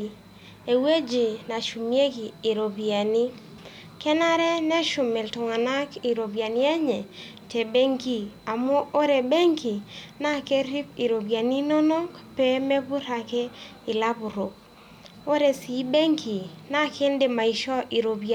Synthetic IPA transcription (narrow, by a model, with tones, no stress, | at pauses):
e˨we˦d͡ʒɪ˨na˨ʃu˨mje˦kiː˨ɾo˨bi˨a˨ni˦ | kɛ˦na˦ɾɛ˦nɛ˦ʃʊ˨me˨ltʊ˨ŋa˨na˦ki˨ɾo˨bja˨njɛ˦ɲɛ˨ | te˨be˦ŋki˦a˨mo˦ʔo˦ɾɛ˨be˦ŋki˨na˦ke˦ɾi˦pi˨ɾo˨bja˨ni˦nɔ˦nɔ˦kpɛ˦mɛ˦bʊ˦ɾa˨kɛ˦ | ɪ˨la˦bʊ˨ɾo˨k̚ | o˦ɾɛ˨si˨˦be˦ŋki˨na˦kɪ˦ndɪ˨ma˨i˨ʃɔ˦ʔi˨ɾo˨bi˨